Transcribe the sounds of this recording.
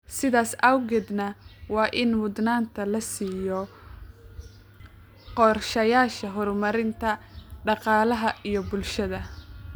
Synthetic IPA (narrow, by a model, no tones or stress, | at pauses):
sɪðaːsɐwɣɛd̪nɐwɑːʔɪnmʊd̪naːnt̪ʰɐlɐsiːjɔ | qɔːrʃɐjaːʃɐɦɔrmɐɾɪnt̪ʰɐɖɑqɑːlɐɦɐijɔbʊlʃɐðɐ